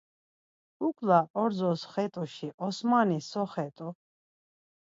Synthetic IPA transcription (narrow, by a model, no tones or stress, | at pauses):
ukʼlaʔɔɾzɔsχɛt̪ʼuʃiʔɔsmanisɔχɛt̪ʼɔ